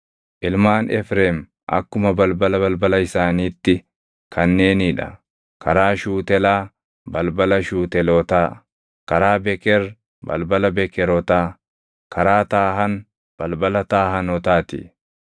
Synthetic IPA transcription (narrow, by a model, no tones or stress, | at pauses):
ʔɪlmaːnɛfɾeːm | ʔɐ̰kːʊmɐbɐlbɐlɐbɐlbɐlɐɪsaːniːt̪ːɪ | kʰɐnːe̞ːniːᶑɐ̰ | kɐɾaːʃuːt̪ɛlaː | bɐlbɐlɐʃuːt̪ɛlɔt̪aː | kɐɾaːbɛkɛɾ | bɐ̰lbɐlɐbɛkɛɾɔt̪aː | kɐɾaːt̪aːɦɐn | b̥ɐlbɐlɐt̪aːɦɐnɔt̪aːt̪ɪ̰